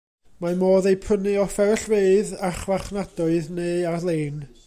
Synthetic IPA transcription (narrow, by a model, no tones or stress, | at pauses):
mamoːðejpʰənɨɔfɛɾəɬveɨðaχvaχnadɔɨðneːalˠeːn